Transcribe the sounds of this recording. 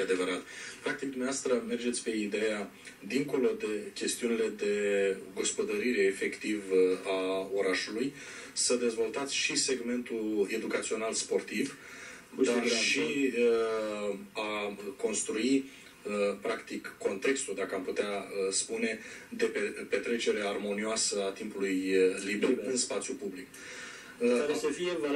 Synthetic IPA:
ad̪e̞vəɾat̪pɾak̚t̪ik̚d̪umneaoast̪ɾəme̞rd͡ʒet̪sʲpe̞id̪e̞ja | d̪iŋko̞lo̞d̪e̞kʲe̞st̪iunile̞d̪e̞ɡospod̪əɾiɾe̞ːfe̞kt̪ivao̞ɾaʃuluj | səd̪e̞zvo̞lt̪at̪sʲʃise̞ɡme̞nt̪ue̞d̪ukat̪sio̞nalspo̞rt̪iv | d̪aʃiə | ako̞nst̪ɾui | əpɾakt̪ikːo̞nt̪e̞kst̪ud̪akəamput̪eaəspune̞d̪e̞pepe̞t̪ɾe̞t͡ʃe̞ɾe̞armo̞nioasəat̪impulujliberɨnspat̪sʲjupublik | fiev

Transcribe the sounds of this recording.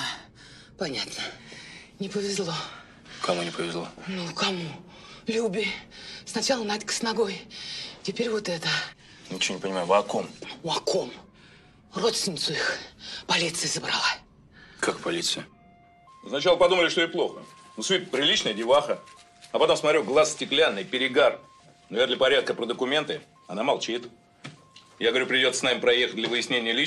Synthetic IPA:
a | pɐnʲat̪nə | nʲɪpəvʲɪzlˠo̞ | kɐmunʲɪpəvʲɪzlˠonukɐmu | lʲubʲɪsnɐt͡ɕalˠənatʲkə̥snɐɡojtʲɪpʲeɾʲvot̪ɛt̪ə | ɪt͡ɕɪvonʲɪpənʲɪmajʊvɐkomuɐkom | ro̞t̪st̪ʲɪnʲɪt̪sʊixpɐlʲit̪sɨjzəbɾalˠa | kakpɐlʲit̪sɨjə | snɐt͡ɕalˠəpɐd̪uməlʲɪʂt̪oɪplˠo̞xə | nusvʲit̪̚pɾʲɪlʲit͡ɕnəjədʲɪvaxə | ɐpɐt̪omsmɐt̪ɾʲuɡlˠassʲtʲɪklʲanːɨjpʲɪɾʲɪɡar | nɐvʲerd̪lʲɪpɐɾʲat̪̚kəpɾəd̪əkʊmʲe̞nt̪ɨ | ɐnamɐlˠt͡ɕit̪ | jaɡəvɐɾʲupɾʲɪdʲosə̥snamʲɪpɾɐjexət̚ʲdlʲəvɨjɪsʲnʲenʲɪjəlʲi

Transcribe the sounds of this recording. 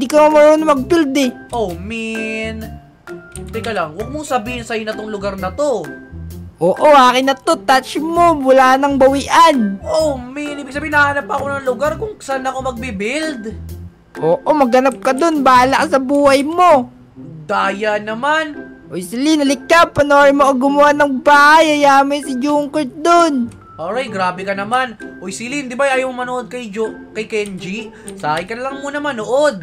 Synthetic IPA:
nd̪ikɐmomɐɾoːnomɐɡ̚pild̪ɛʔomin | t̪ɛkɐlaŋwɐɡ̚moŋsɐbiːhɪnsɐɪnɐt̪oŋlʊɡaɾnɐt̪o̞ | ʔoːʔo̞ʔaːkɪnɐt̪o̞t̪at͡ʃmo̞mʊlaːnɐŋbɐwiʔanʔominiːbɪɡ̚sɐbihɪnɐhaːnɐp̚pɐko̞nɐŋlʊɡaɾkʊŋsnɐkomɐɡ̚bibɪld̪ | ʔoːʔomɐɡɐnap̚kɐd̪o̞nbaːlɐʔsɐbuːhɐjmo̞ | d̪aːjanɐmanʔojsɪlinːɐlɪkːapːɐnoːɾɪmoʔɐɡʊmohanɐŋbaːajɐjaːmɪnsɪd͡ʒuːŋkot̪̚d̪on | ʔoːɾajɡɾaːbɛkɐnɐmanʔojsɪlind̪ɪbajʔaːjawmomɐnoʔod̪̚kɐjd͡ʒokɐjkɛnd͡ʒisaːkɪkɐnlɐŋmuːnɐmɐnoʔod̪̚

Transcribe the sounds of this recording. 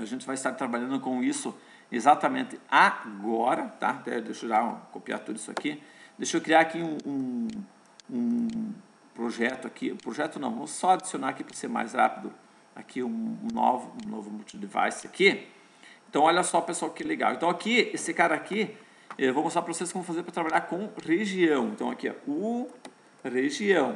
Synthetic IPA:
aʒẽnt͡ʃ̪ɪvajɪst̪aɾt̪ɾabaʎɐ̃nd̪ʊkõw̃isʊ | ezat̪ɐmẽnt̪ɪaɡɔɾɐt̪a̰d̪ɛ̰d̪ejʃoʒãkopia̰t̪od̪ʊisʊa̰kid̪ejʃokɾiaɾakiũũ | ũ | pɾoʒɛt̪ʊakʰiṵ̃pɾoʒɛt̪ʊnɐ̃w̃vɐmʊsːɔad͡ʒisjonaɾakipɾɐseɾma̰jsʁa̰pid̪ʊ | a̰kʰiũũno̰vʊũnovʊmut͡ʃid̪eva̰jsɪaki | ẽnt̪ɐ̃w̃ɔʎɐsɔpeswawkɪɛleɡa̰wḛ̃t̪ɐ̃w̃akiesɪkaɾɐaki | ɛvɐ̃mʊsɔpɾɐvoseskɪvɐ̃mʊfazeɾpɾɐt̪ɾabaʎaɾkõw̃ʁeʒiɐ̃w̃ẽnt̪ɐ̃w̃akiɛ̰ʊ | ʁeʒiɐ̃w̃

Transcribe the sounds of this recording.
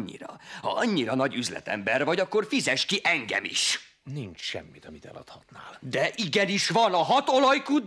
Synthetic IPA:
ɲːḭɾɒ̰hɒ̰ɒɲːiɾɒnɒɟyzlɛ̰t̪ɛ̰mbɛrvɒɟɒkːo̞rfizɛʃkiʔɛŋɡɛ̰mḭʃ | nint͡ʃʃɛ̰mːit̪ɒmit̪ɛ̰lɒ̰t̪hɒt̪na̰ːld̪ɛʔiɡɛniʃvɒnɒɦɒt̪o̞lɒjkud̪

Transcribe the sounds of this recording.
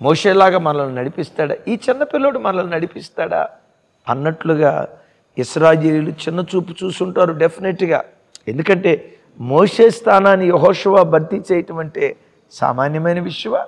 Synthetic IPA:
moːʂeːlaːɡaːmɐnɐlɐlunɐɽipist̪aːɽa̰iːt͡ʃinːɐpilːoːɽumɐnɐlɐlunɐɽipist̪aːɽa̰ | ɐ̰nːɐʈluɡa̰ː | iʃɾaːjeːljulut͡ʃinːɐt͡ʃuːpu̥t͡ʃuːsuɳʈaːɾuɖepʰineʈːiɡa̰ː | end̪ukɐɳʈe̞ː | moːʂe̞ːst̪ʰaːnaːnːijeɦɔːʂɐʋaːbʱɐɾt̪it͡ʃɛjɐʈɐʋɐɳʈe | sa̰ːmaːnjɐmɐjnɐʋiʂjɐʋa

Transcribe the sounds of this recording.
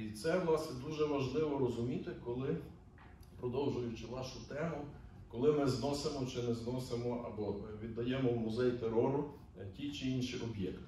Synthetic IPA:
it̪sɛʋlˠɑsnɛd̪uʒɛʋɐʒlˠɪʋɔɾɔzʊmʲit̪ɪkɔlˠɪ | pɾɔd̪ɔwʒʊjʊt͡ʃɪnɑʃʊt̪ɛmʊ | kɔlˠɪmɪznɔsemɔt͡ʃɪnɛznɔsemɔɐ̰bɔʋʲid̪ːɐjɛmɔwmʊzɛjt̪eɾɔɾʊ | tʲijt͡ʃɪinʃiʔɔbjɛkt̪

